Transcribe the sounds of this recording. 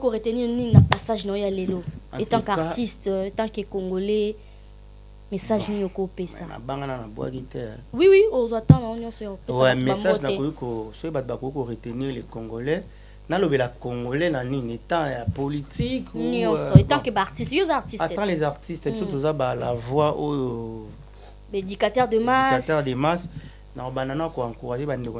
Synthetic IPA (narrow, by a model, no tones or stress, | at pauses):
kikoʁeteninininapasaʒnaojalelõ̰etãkkaʁtistetãkekoŋɡolɛ | mesaʒniniokopesana̰baŋɡananabwa̰kitɛɛwiwiozwatãnaonjɔ̃sɔjaopeswaɛmeaʒnakokikosokibatobakokikoʁetenilekoŋɡolɛ | nalobelakoŋɡolɛnaninetãjapolitikunɔ̃sɔetkebaːʁtistjozaʁtiatɑ̃lezaʁtisteisot̬ozabalavwaojo | bedikatɛʁdemakastɛʁdemas | naobananakoãŋkuʁaʒebandeko